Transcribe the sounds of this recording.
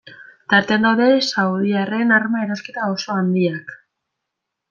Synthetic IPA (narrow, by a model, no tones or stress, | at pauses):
t̪aɾt̪eand̪awðe̞sawðiarenarmae̞ɾoske̞t̪aoso̞and̪iak